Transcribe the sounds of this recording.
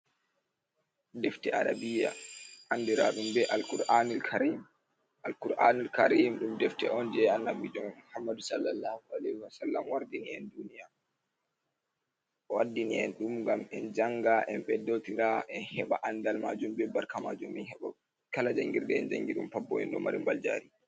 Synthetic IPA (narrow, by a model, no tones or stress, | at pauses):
dɛftɛaɾabija̰ʔandiɾaɗumbɛʔalkuɾanilkʰaɾim | ʔalkuɾʔanilkaɾimɗumdɛftɛɔnd͡ʒɛanːabid͡ʒɔmmuhamːadusalːalːahualɛhiwasalːamwaɾdiniɛndunija | ɔwadːiniɛnɗumɡamɛnd͡ʒaŋɡaʔɛmɓɛdːotiɾaʔɛnhɛɓaʔandalmad͡ʒumbɛbaɾkama̰d͡ʒuminhɛɓa̰ | kalad͡ʒaŋɡiɾdɛɛnd͡ʒa̰ŋɡiɗumpabːɔ̰ɛ̰nɗɔ̰ma̰ɾḭmbald͡ʒa̰ːɾi